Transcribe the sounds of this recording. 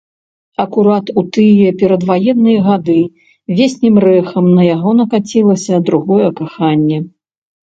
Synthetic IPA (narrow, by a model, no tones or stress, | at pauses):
ɐkuɾat̪ut̪ɨjɛpʲɛɾɐd̪vajɛnːɨjɐɣad̪ɨ | vʲesʲnʲimrɛxɐmnɐjaɣɔnɐkat͡sʲilˠɐsʲɐd̪ɾuɣɔjɛkaxanʲːɛ